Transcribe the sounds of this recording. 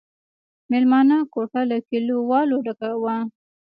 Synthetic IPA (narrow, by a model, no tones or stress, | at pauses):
melmɑnakoʈalakilowɑloɖakawa